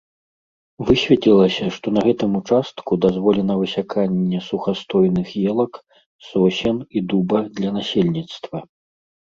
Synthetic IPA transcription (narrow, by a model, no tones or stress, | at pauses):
vɨsʲvʲɛtʲlʲilˠɐsʲɐʂt̪ɔnɐɣɛt̪ɨmut͡ʂast̪kud̪azvɔlʲɛnɐvɨsʲakʰanʲːɛsuxast̪ɔjnɨxjɛlˠɐk | sɔsʲɛnid̪ubɐd̪lʲɐnasʲelʲnʲit̪st̪vɐ